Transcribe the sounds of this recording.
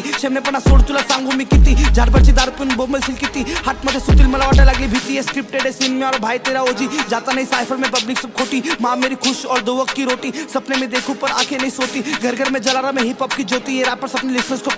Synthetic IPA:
ʃɛbnepɐɾnasoːɽt̪ulasãːŋɡomĩkit̪id͡ʒaːɾbəɾt͡ʃid̪aːɾupinboməlsɪlkit̪ihaʈʰmɐd̪esut̪ilmɐlaʋaʈalɐɡlibʱit̪iɛskɾɪp̚ʈeɖesinmẽɔːɾbʱaːit̪eːɾaod͡ʒid͡ʒaːt̪anɐɦĩsaːɪpʰəɾmẽpɐblɪksɐb̚kʰoːʈimãːmeːɾikʰʊʃɔːɾd̪oʋək̪kiɾoːʈisɐpnemẽd̪eːkʰupɐɾa̰ːkʰenɐɦĩsoːt̪iɡʱɐɾɡəɾmẽd͡ʒɐlaːɾamẽɦipɐp̚kid͡ʒoːt̪ieɾaːpɐɾsɐpnelɪsnəsko

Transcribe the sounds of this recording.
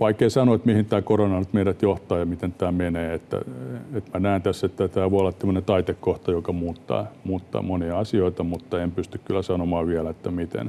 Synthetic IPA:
ʋɑikːeisɑnoet̪mihint̪æːkoronɑnyt̪meiɾæt̪joht̪ɑːjɑmit̪ent̪æːmeneːet̪ːæ̰et̪mænæːˑnt̪æsːet̪ːæt̪æːʋoiolːɑt̪semːonet̪ɑit̪ekkoht̪ɑjokɑmuːt̪ːɑ̰ːmuːt̪ːɑ̰ːmoniɑɑsioit̪ɑmut̪ːɑempyst̪ykkylːæsɑnomɑːʋiælæet̪ːæmit̪ḛn

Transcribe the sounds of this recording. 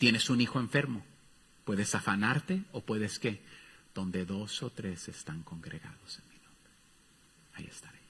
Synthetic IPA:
t̪je̞ne̞sunixo̞e̞ɱfe̞ɾmo̞ | pwe̞ðe̞safanaɾt̪e̞o̞pwe̞ðeske̞ð̥o̞nd̪e̞ðo̞so̞t̪ɾe̞se̞st̪aŋko̞ŋɡɾeɣa̰ðo̞senminõmbɾe | aḭe̞st̪aɾe̞

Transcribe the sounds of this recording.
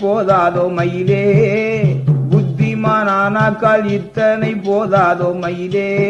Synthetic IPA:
poːðaːðoːmɐjleː | bʊd̪ːimaːnaːnaːkːaːlɪt̪ːɐnɐɪpoːðaːðoːmɐjleː

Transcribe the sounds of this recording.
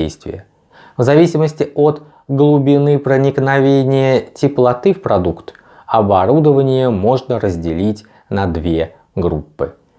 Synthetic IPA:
ḛjst̪vʲɪ̰jə | vzɐvʲisʲɪməsʲtʲɪot̪ | ɡlˠʊbʲɪnɨpɾənʲɪknɐvʲenʲɪjətʲɪplˠɐt̪ɨfpɾɐd̪ukt̪ | ɐbɐɾud̪əvənʲɪjəmo̞ʐnəɾəzʲdʲɪlʲitʲ | nɐd̪vʲe | ɡɾupːɨ̰

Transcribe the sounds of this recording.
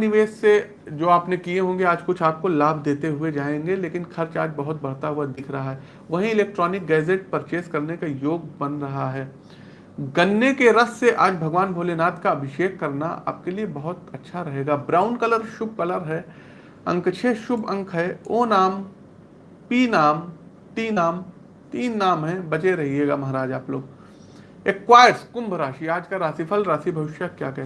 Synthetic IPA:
nɪʋeːsse | d͡ʒoːaːpnekieɦõːŋ̆ɡeaːd͡ʒkʊt͡ʃʰaːp̚kolaːbʱd̪eːt̪eɦʊed͡ʒaːẽːŋɡeleːkɪnxʰɐɾt͡ʃaːd͡ʒbɐɦʊt̪̚bɐɽ̤t̪aɦʊad̪ɪkʰɾɐɦaɦɛː | ʋɐɦĩɪleːk̚ʈɾɔːnɪk̚ɡɛːd͡ʒeʈ̚pɐɾt͡ʃeːskɐɾnekajoːɡ̚bɐnɾɐɦaɦɛː | ɡɐnːekeɾɐsːeʔaːd͡ʒbʱɐɡʋaːnbʱoːlenaːt̪kaɐbʱɪʃeːkːɐɾna̰a̰ːp̚keliebɐɦʊt̪ɐtːʃʰaɾɐɦeːɡaːbɾaːʊnkɐləɾʃʊb̚ʱkɐləɾɦɛː | ɐ̃ŋkt͡ʃʰeʃʊbʱɐ̃ŋkʰɦɛoːnaːm | piːnaːm | t̪iːnaːm | t̪iːnːaːmɦɛ̃bɐt͡ʃeɾɐɦieːɡamɐɦɾaːd͡ʒaːploːɡ | eːkwaːɪəɾskʊ̃mbʱəɾaːʃiaːd͡ʒkaɾaːsipʰəlɾaːsibʱɐʋɪʃjakjaːkɛɦ

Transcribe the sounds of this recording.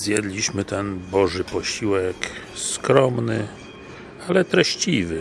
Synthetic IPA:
zjɛd̪lʲiɕmɘt̪ɛnbɔʐɘpɔɕiwɛkskɾɔmnɘ | alɛt̪ɾɛɕt͡ɕivɘ

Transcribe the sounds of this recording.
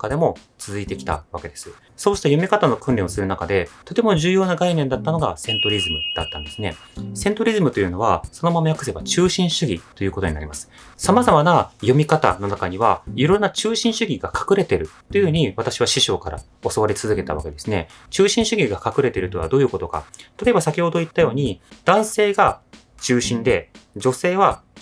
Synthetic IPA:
kad̪e̞mo̞ | t͡sɨzɨit̪e̞kʲi̥t̪a̰βake̞d̪e̞sɨ̥ | so̞ːɕi̥t̪ajo̞mʲikat̪ano̞kɯ̟̃nɾʲẽosɨɾɯ̟nakad̪e̞t̪o̞t̪e̞mo̞ʑɨːjo̞ːnaɡainẽ̞nd̪at̪ːano̞ɡasẽ̞nt̪o̞ɾʲizɨmɯ̟d̪̥at̪ːã̰nd̪e̞sɨne̞̰ | sẽ̞nt̪o̞ɾʲizɨmɯ̟t̪o̞jɯ̟no̞β̞aso̞no̞mamajakɯ̟se̞bat͡ɕɨːɕĩɰ̃ɕɨɡʲit̪o̞jɯ̟ːko̞t̪o̞ɲ̟inaɾʲimasɨ̥ | samazamanajo̞mʲikat̪a̰no̞nakaɲ̟iβaiɾõ̞nːat͡ɕɨːɕĩɰ̃ɕɨɡʲiɡakʰḁkɯ̟ɾe̞t̪e̞ɾɯ̟t̪ːojɯhɯ̟ɲ̟iβat̪aɕiβaɕiɕo̞ːkaɾa̰ | o̞so̞βaɾʲit͡sɨzɨke̞t̪a̰β̞a̰ke̞d̪e̞sɨne̞̰ | t͡ɕɨːɕĩɰ̃ɕɨɡʲiɡakakɯ̟ɾe̞t̪e̞ɾɯ̟t̪oβa̰d̪o̞ːjɯ̟ːko̞t̪o̞ka̰t̪ḁt̪oe̞basakʲiho̞d̪o̞it̪ːajo̞ːɲ̟id̪̥ãɰ̃se̞ːɡa | t͡ɕɨːɕĩnd̪e̞d͡ʑo̞se̞ːβa

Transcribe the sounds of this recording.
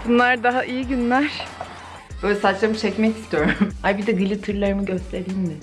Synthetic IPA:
bunlˠaɾd̪aɦaʔijiɟynlʲæɾ̥ | b̥øːlʲɛsat͡ʃlamɯt͡ʃʰɛcmɛci̥st̪ʰijo̞ɾumhajbid̪ɛɡɯlʲit̪ʰɯɾlˠaɾɯmɯɟø̞st̪ʰe̞ɾiinmɪ

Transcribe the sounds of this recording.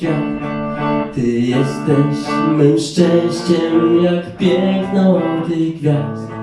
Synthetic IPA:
a | t̪ɨjɛst̪ɛɕmɛnʂt͡ʂɛj̃ɕt͡ɕɛmjakpʲjɛknat̪ɛjɡvʲjazd̪

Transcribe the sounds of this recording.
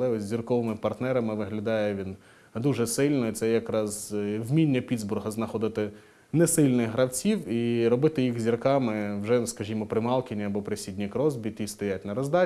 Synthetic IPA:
lˠɛɔsʲzʲirkɔʋɪmɪpɐrt̪nɛɾɐmɪʋɪɦlʲɐd̪ɑjɛʋʲin | d̪uʒɛsɪlʲnɔit̪sɛjɐkɾɑzwmʲinʲːɐpʲid̪zbɾʊɦɐznɐxɔd̪ɪt̪ɪ | nɛsɪlʲnɪɣɦɾɐwt͡sʲiwiɾɔbɪt̪ɪjixzʲirkɑmɪwʒɛskɐʒʲimɔpɾɪmɑlˠkʲɪnʲiɐbɔpɾɪsʲid̪ʲnʲikɾɔzbʲit̪ʲist̪ɐjatʲnɐɾɔzd̪ɑ

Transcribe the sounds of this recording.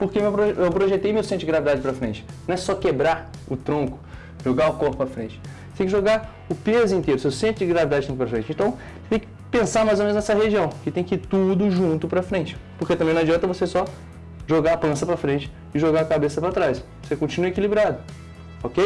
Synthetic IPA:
poɾkemewpɾoewpɾoʒet̪ejmewsẽt̪ʊd͡ʒɪɡɾavid̪ad͡ʒɪpɾɐfɾẽnt͡ʃɪ̥nɐ̃ɛsɔkebɾaɾʊt̪ɾõkʊ̥ | ʒoɡaʊkohpʊpɾɐfɾẽt͡ʃɪ̥ | et̪ẽkɪʒoɡaɾ | ʊpezʊĩt̪eɾʊsewsẽnt̪ʊd͡ʒɪɡɾavid̪ad͡ʒɪʒũt̪ʊpɾɐfɾẽnt͡ʃɪẽt̪ɐ̃w̃ | t̪ẽj̃kɪ̥ | pẽsaɾmajzomẽnznɛsɐɦeʒiɐ̃w̃kɪt̪ẽj̃kɪiɾt̪ud̪ʊʒũnt̪ʊpɾɐfɾẽnt͡ʃɪ̥poket̪ɐ̃mbẽnɐ̃ɛd͡ʒiɔ̃t̪ɐvosesɔ | ʒoɡaapɐ̃sɐpɾɐfɾẽnt͡ʃɪ̥ | ɪʒoɡakabesɐpɾat̪ɾajsvosekõt͡ʃinuekilibɾad̪ʊ | okej

